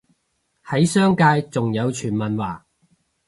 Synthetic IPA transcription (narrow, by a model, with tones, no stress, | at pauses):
hɐ˨˥jsœː˥ŋkaː˧jt͡sʊ˨ŋjɐ˨˧wt͡ʃʰyː˨˩nmɐ˨nwaː˨˩